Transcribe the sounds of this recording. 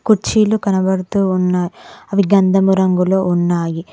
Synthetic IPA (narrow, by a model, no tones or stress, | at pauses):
kuʈt͡ʃiːlukɐnɐbɐɽt̪uːnːaːjɐʋiɡɐnd̪ʱɐmuɾɐŋɡulounːaːji